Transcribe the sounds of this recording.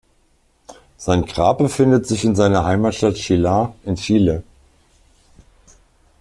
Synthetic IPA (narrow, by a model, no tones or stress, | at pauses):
z̥aɪnɡ̥ʁa̰ːp̚bəfɪndətz̥ɪçɪnzaɪnɐhaɪmaːtʃtatʃiːlaʔɪnʃiːlə